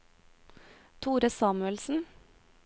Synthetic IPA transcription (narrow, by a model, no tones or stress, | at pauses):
t̪ʰuːɾəsɑːmʉɛlsn̩